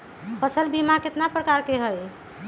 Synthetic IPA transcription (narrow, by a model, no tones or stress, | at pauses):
pʰəsəlbʱimaket̪napɾəkaɾkeɦəj